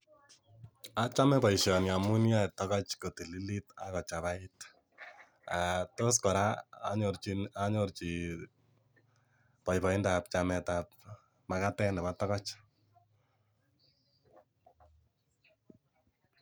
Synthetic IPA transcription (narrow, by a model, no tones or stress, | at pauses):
at͡ʃamɛpɔjʃɔnjamunjatɔkɔt͡ʃkotililita̰kɔt͡ʃaβait | atoskɔɾaa̰ɲoɾt͡ʃiaɲort͡ʃi | pɔjpɔindapt͡ʃamɛtap̚ | makatɛndɛpatɔkɔt͡ʃ